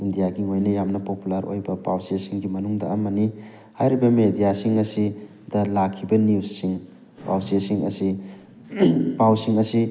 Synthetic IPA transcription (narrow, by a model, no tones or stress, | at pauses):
indijaɡiŋojnɐjamnɐpopulaɾo̰jbɐpawsiasiŋɡimɐnuŋdɐ̰ɐmɐni | hajɾibɐmedijasiŋɐsi | dɐlakʰːibɐnuzsiŋ | pawsiasiŋɐ̰si | pawsiŋɐsi